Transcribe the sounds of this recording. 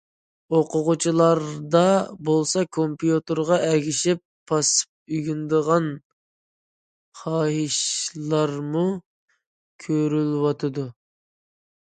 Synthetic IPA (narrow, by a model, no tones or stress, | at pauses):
oqʊʁʊt͡ʃʰilˠɑɾd̪ɑbolˠsɑkʰompjut̪əɾʁɑʔɛɡʲiʃɪpʰːɑsɨ̥p̚yɡʲynd̪əʁɑn | χɑːɦiʃlˠɑɾmu | kʲʰøɾylwɑt̪ʰɨd̪u